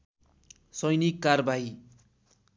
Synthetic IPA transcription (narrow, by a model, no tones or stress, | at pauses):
sʌjnikːarbai